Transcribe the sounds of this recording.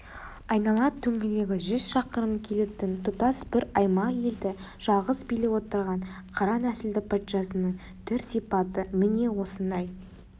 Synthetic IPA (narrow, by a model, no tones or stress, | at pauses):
ɑjnɑlˠɑt̪ʰːɵŋɡʲɪle̞ɡʲɪʒʏz̥ʃɑqəɾəmkʲʰe̞let̪ɪnt̪ʰʊt̪ɑsbɪɾɑjmɑje̞ld̪ɪ | ʒ̥ɑlˠʁəzbilɪwo̞t̪əɾʁɑɴqʰɑɾɑnæsɪld̪ɪk̚pʰɑt̪ʃɑsənəɴ | t̪ʰʏɾsijpɑt̪əmɪne̞wo̞sənd̪ɑj